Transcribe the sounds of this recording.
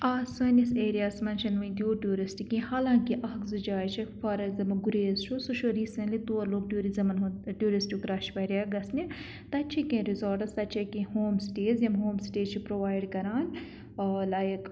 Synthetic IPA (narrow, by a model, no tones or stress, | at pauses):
aːsɐniseːɾijaːsmɐnt͡ʃʰɐnʋɐ̃d̪ioːʈjuːɾisʈikĩhaːlãːŋkiʔɐɦɐkzɐd͡ʒaːjt͡ʃʰifɐɾɐzɐmɐɡuɾeːzt͡ʃʰusuʃoɾiːsɐ̃nlit̪oːɐɾloːɡ̚ʈjuːɾizɐmɐnʈuːɾisʈikɾaʃpɐɾʲjaɡɐsni | t̪ɐt͡ʃʰikẽːɾizoːɾʈɐst̪ɐt͡ʃʰɐkẽhoːmsʈeːzjɐmɦoːmsʈeːt͡ʃʰipɾoːʋaːjɖkɐɾaːn | laːjk